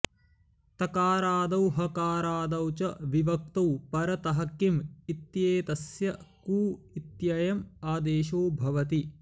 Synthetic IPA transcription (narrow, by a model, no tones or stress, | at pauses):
t̪ɐkaːɾaːd̪ɐwɦɐkaːɾaːd̪ɐwt͡ʃɐʋiʋɐk̚t̪ɐwpɐɾɐt̪ɐɦɐkimit̪jeːt̪ɐsjɐkuːit̪jɐjɐmaːd̪eːʃoːbʱɐʋɐt̪i